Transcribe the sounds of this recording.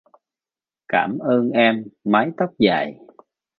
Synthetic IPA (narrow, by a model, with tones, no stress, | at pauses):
kaː˧˩mʔəː˧nʔɛ˧mːa˨˦jt̪ə˦˥wk͡p̚za̰ː˨˩j